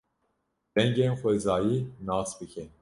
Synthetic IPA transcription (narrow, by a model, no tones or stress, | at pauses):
d̪̥ɛŋɡeːnxʷɛzɑːjiːnɑːsbɨkʰɛn